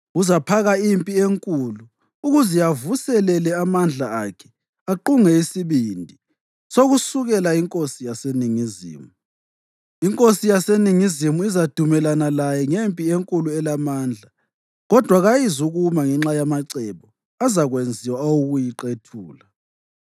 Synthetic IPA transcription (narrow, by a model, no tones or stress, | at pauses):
uzapʰaɣaimpʼieŋkʼuluː | ɣuziavusɛlɛlɛamand͡ɮʱaakʰɛ̥ | aǃuŋɛisiβindʱi | soɣusuɣɛlaiŋkʼosijaseniŋizḭːmu | iŋkʼosijaseniŋizimuizad̥ʱumɛlanalajɛŋempʼieŋkʼuluɛlamaːnd͡ɮʱa | ɣɔd̥ʱwaɣajizuɣumaŋɛŋ͡ǁajamaǀɛβɔ | azaɣwend͡zʱiwaawuɣujiǁetʰuːla